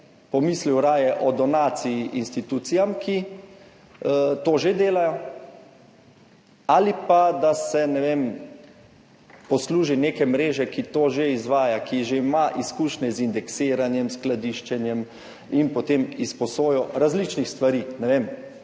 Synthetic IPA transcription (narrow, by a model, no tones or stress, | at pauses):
pɔmisliwɾaːjɛʔɔd̪ɔnaːt̪siiʔinst̪it̪uːt̪sijamkʰi | t̪oːʒed̪eːlajɔ | alipad̪asɛnɛʋeːm | pɔsluːʒineːkɛmɾeːʒɛkit̪oːʒeizʋaːjakiʒeimaʔiskuːʃnɛzind̪ɛkseːɾanjɛmsklad̪iʃt͡ʃɛnjɛm | inpɔt̪eːmispɔsoːjɔɾazlit͡ʃnixst̪ʋaɾiːnɛʋem